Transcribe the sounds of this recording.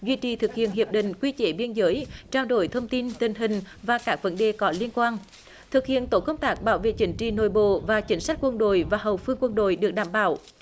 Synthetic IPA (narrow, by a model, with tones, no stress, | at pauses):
zwi˧t͡ɕḭ˧˩t̪ʰɨ˨˩k̚hḭ˧˨ənɦi˨˩əp̚ɗḭ̈˧˨ŋ̟kwi˧t͡ɕe˧˨˦ɓi˧ənzəː˨˦jt͡ɕaː˧wɗo̰˧˩jt̪ʰə˧wŋ͡mt̪i˧nt̪ï˨˩ŋ̟ɦï˨˩ŋ̟ | vaː˨˩kaː˦˥k̚və˨˦nɗe˨˩kɔ˨˦li˧ənkwaː˧n | t̪ʰɨ˨˩k̚hḭ˧˨ənt̪o˧˥kə˧wŋ͡mt̪aː˦˥k̚ɓaː˧˦wvḛ˧˨t͡ɕï˨˦ŋ̟t͡ɕḭ˧˨no̰˧˨jɓo̰˧˨vaː˨˩t͡ɕï˨˦ŋ̟sa˦˥k̟̚kwə˧nɗo̰˧˨jvaː˨˩ɦə˨˩wfɨ˧əŋkwə˧nɗo̰˧˨jɗɨ˨˩ək̚ɗaː˧˩mɓa̰ː˧˩w